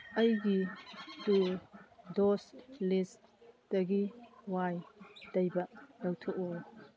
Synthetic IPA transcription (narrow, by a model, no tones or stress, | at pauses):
ɐjɡitu | dɔslist | d̥ɐɡiwajdɐjbɐdɐwtʰɔʔu